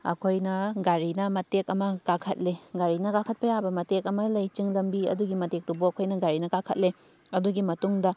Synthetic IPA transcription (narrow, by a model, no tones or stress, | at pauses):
ɐ̰kʰojnɐɡaɾinɐmɐtekɐmɐkakʰɐt̚leɡaɾinɐɡakʰɐt̚pɐjabɐmɐtekɐmɐlɐjt͡ʃiŋlɐmbiɐ̰duɡimɐtek̚tubuɐkʰojnɐɡaɾinɐkakʰɐ̰t̚le | ɐduɡimɐtuŋdɐ